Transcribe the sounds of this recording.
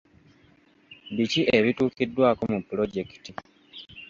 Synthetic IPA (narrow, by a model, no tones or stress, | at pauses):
βiciʔe̞βituːkidːwaːko̞mupulo̞ɟe̞ki̥ti